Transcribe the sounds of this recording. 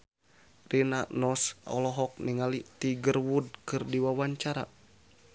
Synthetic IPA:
rinanɔsɔ̰lɔɦɔk̚niŋalit̪iɡərwud̚kɨrdiwawaɲt͡ʃaɾa̰

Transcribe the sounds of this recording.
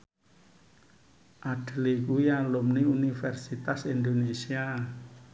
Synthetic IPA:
ʔaɖ̥əlekujaŋlomniunifɛrsit̪asind̪onesia

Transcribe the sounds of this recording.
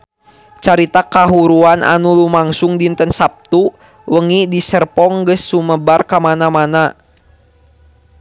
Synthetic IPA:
t͡ʃaɾit̪akaɦuɾuanʔa̰nulumaŋsuŋdint̪ənsap̚t̪u | wəŋidisərpɔŋɡəsːuməbarkamanamana

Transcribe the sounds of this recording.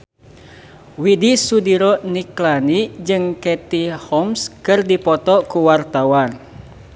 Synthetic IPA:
widisudiɾɔniklanid͡ʒɨŋkɛt̪ihɔmskɨrdipɔt̪ɔkuwart̪awan

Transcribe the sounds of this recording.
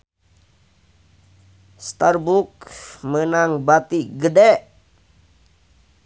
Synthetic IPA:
st̪arbukmənaŋbat̪iɡədɛ

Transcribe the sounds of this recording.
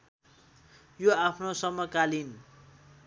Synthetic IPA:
joapʰnosʌmːʌkalin

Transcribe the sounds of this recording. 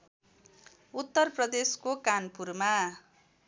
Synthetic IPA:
ut̪ːʌrprʌd̪eskokanpurma

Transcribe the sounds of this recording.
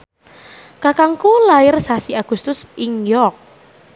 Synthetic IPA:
kakaŋkulaɪrsasiaɡ̥ust̪ʊsiŋjɔk̚

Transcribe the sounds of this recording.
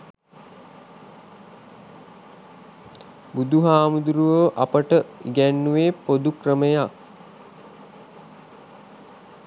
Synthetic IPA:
bud̪uɦaːmud̪uɾuʋəʔapəʈəiɡænːuʋeːpod̪ukrəməjak

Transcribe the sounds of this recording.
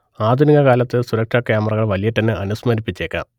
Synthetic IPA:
aːd̪ʱuniɣɐkaːlɐt̪ːɨsuɾɐkʂɐkjaːmɐrɐɣɐɭʋɐlijɐʈːɐnːɨʔɐnusmɐɾipːit͡ɕːeːkːa̰ːm

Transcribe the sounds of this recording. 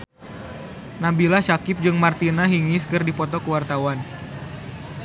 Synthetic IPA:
nabilaʃakɪp̚d͡ʒɨŋmart̪inaɦiŋɪskɨrdipɔt̪ɔkəwart̪awan

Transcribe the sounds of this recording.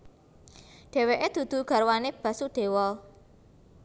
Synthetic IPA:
ɖ̥ɛ̤weʔed̪̥ṳd̪̥ṳɡ̥a̤ɾwaneb̥ä̤sud̪̥e̤wɔl

